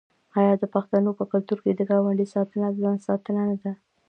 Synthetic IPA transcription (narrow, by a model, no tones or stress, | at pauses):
ɑjɑd̪əpaxt̪anopəkʊlt̪uɾked̪əɡɑwaɳɖisɑt̪ənazɑnsɑt̪ənanad̪a